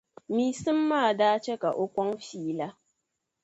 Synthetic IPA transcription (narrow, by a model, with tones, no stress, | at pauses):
miː˨sɨ˦mːaː˦˨daː˦t͡ʃe˦ka˨ʔo˦kʷɔ˦ŋfiː˦la˦